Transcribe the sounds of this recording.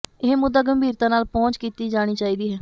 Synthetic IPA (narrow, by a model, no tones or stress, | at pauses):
ɪɦmʊd̪aːɡəmbʱiːɾt̪ãːnaːlpɔ̃ːnt͡ʃkiːt̪iːd͡ʒaːɽ̃iːt͡ʃaːiːd̪iːɦɛː